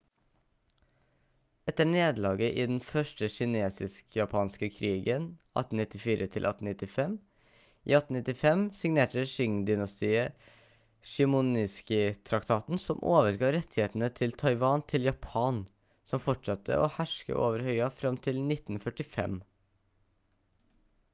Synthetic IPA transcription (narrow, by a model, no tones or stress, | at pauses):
ɛt̪ːəɳeːd̪lɑːɡəʔiːd̪ɛnfœʂʈəɕɪneːsɪskjɑpʰɑːnskəkʰɾiːɡənʔɑ̰t̪ːn̩nɪt̪ːɪfiːɾʔət̪ʰɪlʔɑ̰t̪n̩ɪt̪ːɪfɛm | ʔḭːɑt̪n̩nɪt̪ɪfɛmsɪŋneːʈəʃʏŋd̪ʏnɑst̪iːə | ʃɪmʊnɪskɪt̪ʰɾɑkt̪ʰɑːt̪n̩sɔmʔoːʋəɾɡɑːɾɛt̪ʰːɪheːt̪ənət̪ʰɪlt̪ʰɑɪʋɑːnt̪ʰɪljɑpʰɑːn | sɔmfɔʈʂɑt̪ʰːə̰ʔo̰hæʂkə̰ʔoːʋəɾhœʏɑfɾɑmt̪ʰɪlnɪt̪ːn̩fœʈɪfɛ̰m